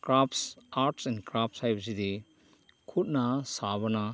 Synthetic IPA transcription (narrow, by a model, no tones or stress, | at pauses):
kɾapʰsaɾtsɛnkɾap̚ʰsajbsidi | kʰut̚nɐsaβɐnɐ